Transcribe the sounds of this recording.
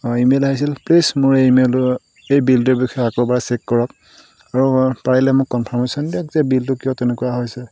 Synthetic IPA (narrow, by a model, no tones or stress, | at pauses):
imelaɦisilplismʊɹejmel | ejbildubixʰɔjakobaɹasɛkːɔɹɔk | aɹupaɹilɛmʊkːɔnpʰɔɹmesɔndiakzɛbiltʊkiɔtɛnʊkuwaɦojsɛ